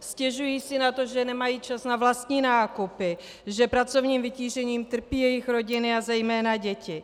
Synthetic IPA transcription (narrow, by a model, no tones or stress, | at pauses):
scɛʒujiːsɪnat̪oʒɛnɛmajiːt͡ʃasnavlast̪ɲiːnaːkupɪ | ʒɛpɾat͡sovɲiːmvɪciːʒɛɲiːmt̪r̩piːjɛjɪxɾoɟɪnɪazɛjmɛːnaɟɛcɪ